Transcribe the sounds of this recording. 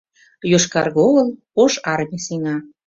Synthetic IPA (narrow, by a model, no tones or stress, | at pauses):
joʃkɑrɣoɣəl | oʃɑrmʲisinɑ